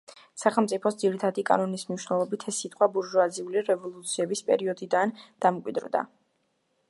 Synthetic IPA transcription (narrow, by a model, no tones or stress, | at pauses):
saχɛlˠmt̪sʼipʰɔsd̪ziɾit̪ʰad̪ikʼa̰nɔnismniʃwnɛlˠɔbit̪ʰɛsːit̪ʼqʼwabuɾʒɔaziuliɾɛvɔlˠut̪sʰiɛbispʼɛ̰ɾiɔd̪id̪and̪̥amkʼwḭd̪ɾd̪a̰